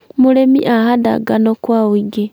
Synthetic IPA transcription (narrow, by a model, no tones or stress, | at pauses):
mulemḭʔahada̰ɡanokwawiɡe